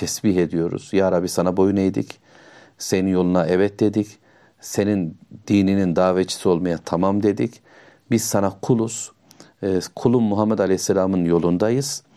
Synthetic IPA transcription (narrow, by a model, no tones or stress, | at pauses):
t̪ʰɛsbiɦe̞d̪ijo̞ɾṵz̥jaːɾabisanabo̞junejd̪ḭc | se̞ninjo̞lˠunaɛvɛt̪̚d̪e̞d̪ic | se̞nind̪̥iːninind̪aːvet͡ʃʰi̥sio̞lˠmajat̪ʰamamd̪e̞d̪ic | biz̥sanakʰulˠuz̥ | kʰulˠumːuɦamːɛd̪alʲɛhsːelʲaːmɯnjo̞lˠund̪ajɯz̥